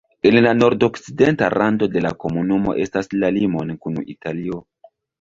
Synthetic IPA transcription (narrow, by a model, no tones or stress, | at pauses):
e̞nlano̞ɾdo̞kside̞nta̰ɾʔando̞de̞lako̞munumo̞̰ʔe̞staslalimo̞nkunṵḭtalio̞